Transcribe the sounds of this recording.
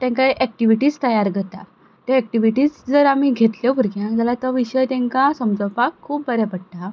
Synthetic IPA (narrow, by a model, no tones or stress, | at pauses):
t̪ɛ̃ŋkajʔɛk̚ʈiʋiʈiːst̪əjaɾɡʱət̪a̰ | t̪eɛk̚ʈiʋiʈiːd͡zd͡zəɾamiɡʱet̪ljɔbʱuɾɡjãd͡zalat̪əʋiɕəjt̪ɛ̃ŋkasəmd͡zəwpakʰːuːp̚bəɾepəɽt̪a